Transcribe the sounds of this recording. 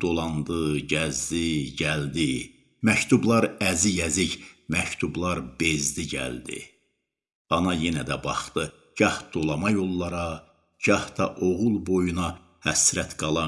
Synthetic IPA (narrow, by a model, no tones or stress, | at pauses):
d̪̥o̞lˠɑnd̪ɯɟæzd̪iɟæld̪i | mæct̪ʰublˠɑɾæzijæziɟmæct̪ʰublˠɑɾb̥ezd̪iɟæ̰ld̪ḭ | ɑnɑje̞næd̪æbɑχt̪ɯ | ɟ̥ɑhd̪̥o̞lˠɑmɑjo̞lˠːɑɾɑ | ɟ̥ɑhd̪ɑʔo̞ɣulˠbo̞junɑ | hæsɾæt̪ɡɑlˠɑ